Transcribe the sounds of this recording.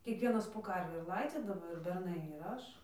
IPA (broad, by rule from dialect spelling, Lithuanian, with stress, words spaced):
kʲiɛkˈʋʲiɛnɐs poː ˈkɐrʲʋʲiː ɪr ˈlˠɐɪd͡zʲiːdɐʋoː ɪr bʲɛrˈnɐɪ ɪr ˈɐʃ